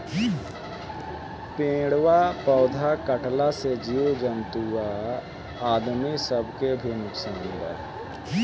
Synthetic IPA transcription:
pẽːɽwapɔːd̪ʱakəʈlased͡ʒijod͡ʒənt̪ua | aːd̪misəbʱkebʱinʊksaːnd̪a̰ː

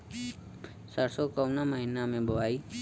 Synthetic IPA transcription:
səɾsoːkoʊnaːməɦiːnamẽːbəʋaːiː

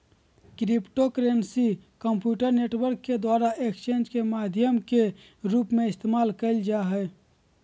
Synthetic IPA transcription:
kɾipʈokɾeːnsikəmpjuːʈəɾneːʈwəɾkːed̪waːɾaekst͡ʃẽːnd͡ʒkemaːd̪ʱjəmke | ɾuːpmẽɪst̪eːmaːlkəɪld͡ʒaɦɛ

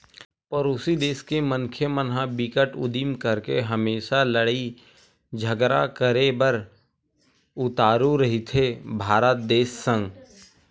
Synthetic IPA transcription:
pəɾoːsid̪eːskemənkʰjemənɦãbɪkəʈʊ̰d̪iːmkəɾkeɦəmeːʃaləɽi | d͡ʒʱəɡɾa̰kəɾebəɾ | ʊt̪aːɾuɾɐɦit̪ʰebʱaːɾət̪̚d̪eːsːə̃ŋɡ

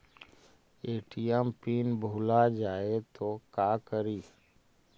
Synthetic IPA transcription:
eːʈijɛmpiːnbʱuːlad͡ʒaːet̪okaːkəɾiː

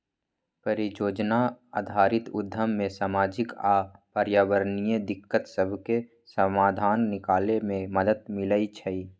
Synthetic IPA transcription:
pəɾɪjoːd͡ʒnaa̰ːd̪ʱaːɾɪt̪ʊd̪ʱːəmːẽsaːmaːd͡ʒɪkaːpəɾjaːwəɾnijəd̪ɪkːət̪səbʱke | səmaːd̪ʱaːnːɪkaːlemẽməd̪ət̪mɪləit͡ʃʰəi

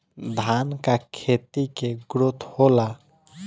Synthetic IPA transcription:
d̪ʱankakʰet̪ikeɡɾot̪ʰhola

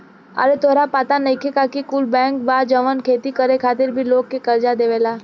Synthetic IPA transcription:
ə̰ɾet̪ʰoːɾapaːt̪anɐikʰekakikulbɛ̃ːŋk̚baːd͡ʒəʋənkʰeːt̪ikəɾekʰaːt̪ɪɾbʱiloːɡ̚kːekəɾd͡ʒad̪eːʋelaː

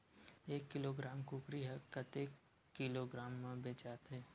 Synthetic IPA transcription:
eːkːɪloːɡɾaːmkuːkɾiɦɛkət̪e | ɪloːɡɾaːmːẽbeːt͡ʃaːt̪ɦɛː

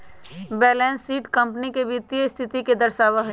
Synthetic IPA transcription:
bɛːlɛ̃ːnsːiːʈkə̃mpnikebɪt̪ijəɪst̪ʰɪt̪iked̪ɐɾʃaːʋaɦ

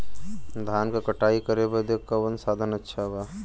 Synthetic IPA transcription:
d̪ʱaːnkakɐʈaːikɐɾebɐd̪jekabɐnsaːd̪ʱənɐtːʃʰabaː

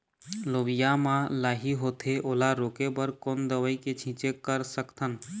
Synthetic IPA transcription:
loʋijamãlaːɦiɦot̪ʰeʔoːlaɾokebəɾkoːnd̪əʋəiket͡ʃʰĩt͡ʃekəɾsəkt̪ʰən

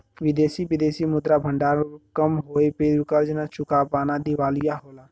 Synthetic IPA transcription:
ʋɪd̪eːsiʋɪd̪eːsimʊd̪ɾaːbʱə̃ɳɖaːɾkəmɦoːepeʊkəɾd͡ʒnat͡ʃʊkapaːnad̪ɪʋaːlɪjaɦoːlaː

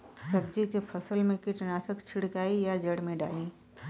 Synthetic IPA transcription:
sɐb̚d͡ʒikepʰəsəlmẽkɪʈnaːsəkt͡ʃʰɪɽkaːijad͡ʒəɽmẽɖa̰ːliː

